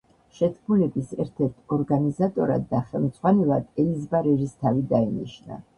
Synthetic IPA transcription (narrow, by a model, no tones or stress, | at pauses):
ʃɛt̪ʰkʰmulɛbisɛɾt̪ʰɛɾt̪ʰɔɾɡanizat̪ʼɔɾa̰d̪ːaχɛlˠmd̪z̥ʼʁwanɛlˠad̪̥ɛlizbaɾɛɾist̪ʰavid̪ainiʃna̰